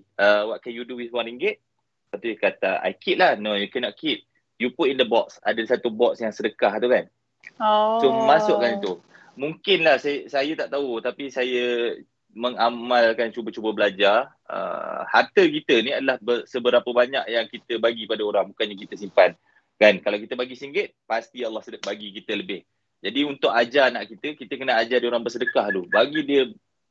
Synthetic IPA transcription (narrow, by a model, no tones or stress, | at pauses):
əwaʔ̚kajuduwisaŋɾiŋɡɪt̪̚ | pat̪ujkat̪aʔa̰jkiʔ̪̚lahnojukɛnɔʔkʰit̪̚ | juput̪indəbɔksa̰dasat̪ubɔtsjaŋsədəkaht̪ukan | somasʊʔkanit̪u | muŋkɪnlahsasajat̪aʔt̪aut̪apisajə | məŋamalkant͡ʃubət͡ʃubəbəlad͡ʒar | ə̰hart̪əkit̪əniadalahbəsəbəɾapəbaɲakjaŋkit̪əbaɡipadaoɾaŋbukanɲakit̪əsimpan | kankalawkit̪əbaɡisiŋɡɪt̪̚past̪iɑlːɑhsədʔbaɡikit̪ələbɪh | d͡ʒadiunt̪ʊkad͡ʒanaʔkit̪əkit̪əkənəad͡ʒadioɾaŋbərsədəkahlubaɡidiə